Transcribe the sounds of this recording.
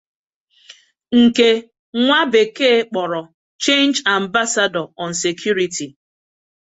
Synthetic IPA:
ŋ̩˨ke˦ | ŋʷa˦be˨keː˦k͡pɔ˨ɾɔ˨ | t͡ʃe˦nd͡ʒa˨m˦ba˦sa˦dɔ˨ɔ˨n̩˨se˨kʰju˦ɾi˨ti˨

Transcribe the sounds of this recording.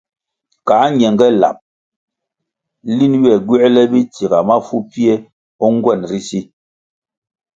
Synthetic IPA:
kaː˨˦ɲ˨ɛ˨ŋɡɛ˦la̰˨p̚ | li˦nwɛ˨ɡwɛ˦lɛ˦bi˦ti˨ɡa˨ma˦fu˦pi˦e˦ | ɔ˦ŋ˦ɡwɛ˦˨nɾi˦si˦

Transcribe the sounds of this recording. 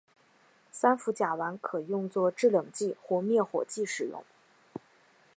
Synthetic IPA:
sa˥nfu˧˥t͡ɕja˨˩wa˧˥nkʰɤ˨˩jʊ˥˧ŋt͡swɔ˥˧ʈ͡ʂɻ̩˥˩ljɤ˨˩ŋt͡ɕi˥˩xwɔ˥˧mjɛ˥˩xwɔ̰˨˩t͡ɕi˥˩ʂɻ̩˨˩jʊ̰˥˩ŋ

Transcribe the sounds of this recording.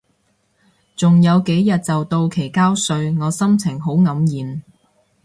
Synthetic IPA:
t͡sʊ˨ŋjɐ˨˧wke˨˥jjɐ˨t̚t͡sɐ˨wt̪o˧wkʰe˨˩jkaː˥wsɵ˧ɥŋɔː˨˧sɐ˥mt͡sʰɪ˨˩ŋɦo˨˥wŋɐ˨˥mjiː˨˧m

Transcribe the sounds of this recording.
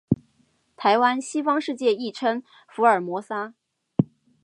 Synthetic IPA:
t̪ʰa˧˥ɪwa˥nɕi˥fɑ˥ŋʂɻ̩˥˧t͡ɕjɛ˥˧i˥˩ʈ͡ʂʰə˥ŋ | fu˧˥ə˞˨˩mwɔ˧˥sa˥

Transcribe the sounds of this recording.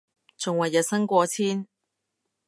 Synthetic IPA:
t͡sʊ˨ŋwɐ˨˩jːɐ˨t̚sɐ˥ŋkʷɔː˧t͡sʰiː˥n

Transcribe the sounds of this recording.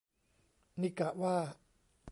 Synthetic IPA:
ni˧˨ka˨˩ʔwaː˥˩

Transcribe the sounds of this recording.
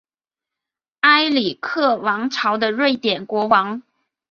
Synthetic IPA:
a˥ɪli˨˩kʰɤ˥˩wɑ˧˥ŋʈ͡ʂʰɑ˧˥ʊd̪ə˧ɻwe˥˩ɪt̪jɛ˨˩nkwɔ˧˥wɑ˧˥ŋ

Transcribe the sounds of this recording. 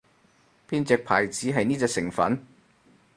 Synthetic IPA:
pʰiː˥nt͡sɛː˨˧k̚pʰaː˨˩jt͡siː˨˥ɦɐ˨jniː˥t͡sɛː˧ksɪ˨˩ŋfɐ̰˨˥n

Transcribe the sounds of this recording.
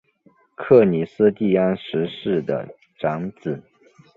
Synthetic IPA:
kʰɤ˥˩ni˨˩sɹ̩˥t̪i˥˩a˥nʂɻ̩˧˥ʂɻ̩˥˩d̪ə̰˩ | ʈ͡ʂɑ˧˥ŋt͡sɹ̩˨˩˦

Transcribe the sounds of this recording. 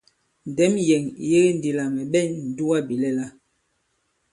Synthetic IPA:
n̩˨dɛ˨˦mjɛ˨ŋ˨je˦ɣe˦n̩˨di˨la˨ŋɛ˨ɓɛ˦˨nn̩˨du˦wa˦bi˨lɛ˦la˦

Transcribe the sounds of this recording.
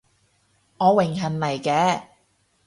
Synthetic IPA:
ŋɔː˨˧wɪ˨˩ŋɦɐ˨˩nlɐ˨˩jkɛː˨˧

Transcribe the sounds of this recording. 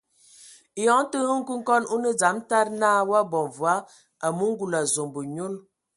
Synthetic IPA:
jɔ˨˦ŋ˦tə˦hə˦ŋ̩˦ku˦ŋ˦kɔ˦nu˦nə˦d͡za˨˦mta˦ɾnaː˦wa˦bɔ˨ɱvwa˦ | a˨mu˦ŋ̩˦ɡu˨la˨zo˨mbə˨ɲo˦l

